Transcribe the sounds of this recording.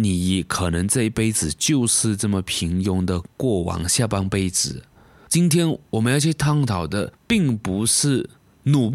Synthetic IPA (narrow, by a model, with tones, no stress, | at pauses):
ni˨˩jɛ˨˩kʰɤ˨˩nɤ˧˥ŋt͡sa˥˧i˥˩pe˥ɪt͡sɹ̩˨˩t͡ɕjo˥˧ʊʂɻ̩˥˧ʈ͡ʂɤ˥˩mə˩pʰi˧˥ŋjʊ˧˥ŋd̪ə˨kwɔ˥˩wɑ̰˧˥ŋɕja˥˩pɑ˥ŋpe˥ɪt͡sɹ̩˨˩˦ | t͡ɕi˥nt̪ʰjɛ˥nwɔ˨˩mə˧˦njɑ˥˧˥ɕjɛ˥˧t̪ʰɑ˥ŋt̪ʰɑ˨˩ʊd̪ə˦pi˥˩ŋpu˧˥ʂɻ̩˥˩ | nu˨˩